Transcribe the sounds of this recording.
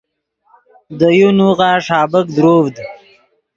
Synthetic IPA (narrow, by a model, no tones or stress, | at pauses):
d̪əjunuɣaːʂɑːbəkd̪ɾoːvd̪